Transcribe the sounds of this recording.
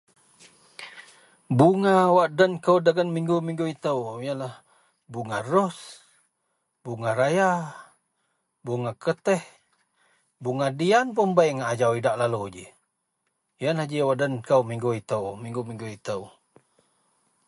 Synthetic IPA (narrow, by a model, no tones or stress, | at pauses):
buŋawaʔdənkəwdəɡənmiŋɡumiŋɡuit̪əwjənlah | buŋarɔs | buŋaɾaja | buŋakət̪ɛh | buŋadianpəmbajŋaːd͡ʒawidaʔlalud͡ʒḭ | jənlahd͡ʒiwaʔdənkəwmiŋɡuit̪əwmiŋɡumiŋɡuit̪əw